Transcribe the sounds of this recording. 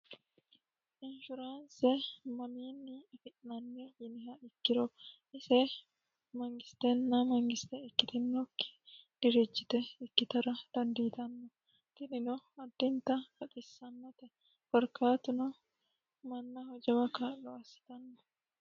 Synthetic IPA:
ʔɪnʃʊɾaːnsɛmɐmiːnːɪfɪʔnɐnːeʔɪnɪɦɐɪkːɪɾɔʔɪsɛ | mɐŋɡɪst̪ɛnːɐmɐŋɡɪst̪ɛɪkːɪt̪ɪnːɔkːɪ̥ | ɪɾɪd͡ʒːɪt̪ɛɪkːɪt̪ɐɾɐd̪̥ɐnd̪iːt̪ɐnːɔ | kɪnɪnɔɐd̪ːɪnt̪ɐkɐt̪ʼɪsːɐnːɐt̪ɛ | fɔɾkaːt̪ʊnɔ | mɐnːɐhɔd͡ʒɛwɐkaːlːɔɐsːɪ̥t̪ɐnːɔ

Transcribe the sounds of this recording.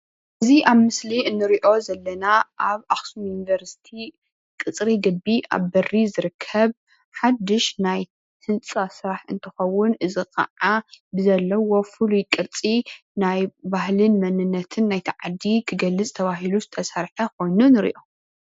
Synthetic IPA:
ʔɨziʔaβmɨsliɨnːɨɾiʔo̞zɐlːɐnaʔaβaxsumjunivɐɾsi̥t̪ʰi | kʼɨt͡sʼɾiɡɨbːiʔa̰βbɐrːizɨɾɨkʰːɐβ | ħad̪ːɨʃnaj | hʰɨnt͡sʼasɨɾaħɨnt̪ʰɨxɐwʊnʔɨzikʰɐ̰ʕabɨzɐlːɐwo̞fɨlujkʼɨɾt͡sʼi | najbahlɨnmɐnɨnːɐt̪ʰɨnːajt̪ʰiʕad̪ikʰɨɡɐlːɨt͡sʼt̪ʰɐβaɦiluzɨt̪ʰɐsaɾħɐko̞jnunɨɾḭʔo̞

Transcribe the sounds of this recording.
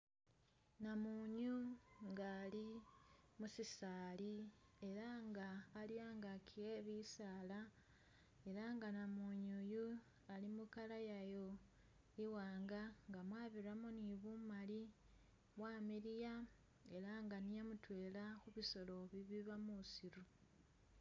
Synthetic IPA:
namuɲuŋɡali | musisaːlie̞ɾaŋɡaːljaːŋɡakʰieβisaːla | e̞ɾaŋɡanamuɲuju | alimukalajajo̞ | iwaːŋɡaŋɡamwaːβiramoniβumali | βwaːmiɾija | e̞ɾaŋɡanijamutwe̞ːlaxuβiso̞lo̞βiβiβamusiɾu

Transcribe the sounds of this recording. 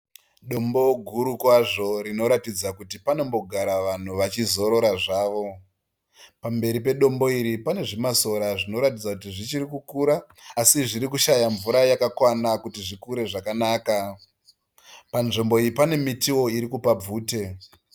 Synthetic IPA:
ɗo̞mbo̞ɡʱuɾukwaʐo̞ɾino̞ɾatid͡zakutipano̞mbo̞ɡʱaɾaʋan̤uʋat͡ʃizo̞ɾo̞ɾaʐaːʋo̞ | pambe̞ɾip̬e̞ɗo̞mbo̞iɾipane̞ʐimaso̞ɾaʐino̞ɾatid͡zakutiʐit͡ʃiɾikukuɾaːsiʐiɾikuʃajaɱvuɾajakakwanakutiʐikuɾe̞ʐakanaːka | panʐimbo̞iripane̞mitiwo̞iɾikupab͡vuːte̞

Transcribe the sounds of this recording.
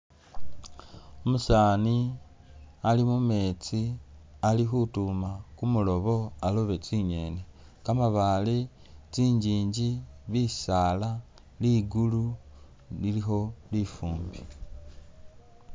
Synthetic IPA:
omusaːni | alimume̞ːt͡sialixutumakumulo̞βo̞aloβe̞t͡siɲe̞ːne | kamaβali | t͡siːɲɟiːɲɟiβisaːla | liɡulu | lilixo̞lifuːmbi

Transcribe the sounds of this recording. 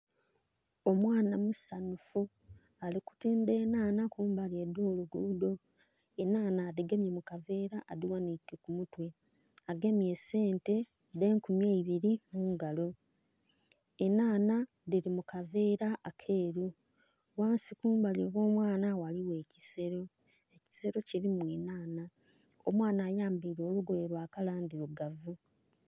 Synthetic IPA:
o̞mwaːnamusanufu | aliku̥tiːnde̞ːnaːnakuːmbalje̞do̞ːluɡudo̞ | enaːnadiɡemjemukave̞ːɾaʔːðiwanikekumutwe̞ | aɡe̞mje̞se̞ːnte̞ | de̞ːŋkumjeiβiɾimuːŋɡalo̞ | enaːna | diɾimukave̞ːɾaʔːkʰe̞ːɾu | waːnsikuːmbaliβo̞ːmwaːnawaliwe̞ːci̥se̞ɾo̞ | eci̥se̞ɾo̞ciɾimweːnaːna | o̰mwaːnaːjaːmbiːɾo̞ːluɡoβeɾwaːkalaːndiɾoɡavu

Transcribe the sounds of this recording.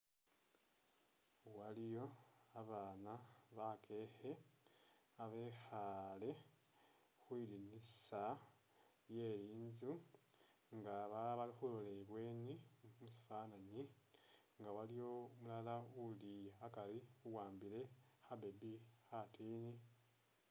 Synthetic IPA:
walijo̞aβaːnaβakʰe̞he̞ | aβe̞xale̞ | xwiːlinisa | je̞ɾiːɲzu | ŋɡaβaβalixulole̞βwe̞ːnimusi̥faːnaɲi | ŋɡawalijo̞mulalaulijːkaliuwaːmbile̞xabe̞bixatiːni

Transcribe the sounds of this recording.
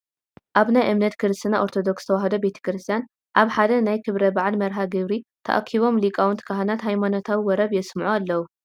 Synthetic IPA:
ʔaβnajʔɨmnɐt̪kʰɨɾɨst̪ɨnaʔo̞ɾt̪ʰod̪o̞kst̪ʰɐwaɦɐd̪obe̞t̪ʰɐ̥kɾɨst̪ʰijan | ʔaβħad̪ɐnajkʰɨβɾɐbaʕalmɐɾɦaɡɨβɾit̪ʰɐ̰ʔa̰kʰiβo̞mlikʼawunt̪ʰɨ̥kʰaɦanat̪ɦajmanot̪ʰawiwɔɾɐβjɛsmʕualːɐwu

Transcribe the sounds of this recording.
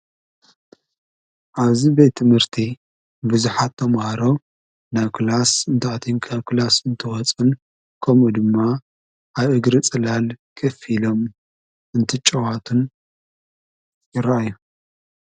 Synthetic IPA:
ʔaβzibet̪ʰːɨmhɨɾt̪ʰi | buzuħat̪ʰːɐmhaɾo̞ | naβkʰɨlasɨnt̪ʰaʕt̪ʰinkʰaβkɨlasɨnt̪ʰɨwɔt͡sʼɨn | kʰomud̪ɨmːa | aβʔɨɡɾɨt͡sʼɨlalkʰɐfilo̞m | ɨnt̪ʰɨt͡ʃʼɐwat̪ʰun | jɪɾɐʔajːu

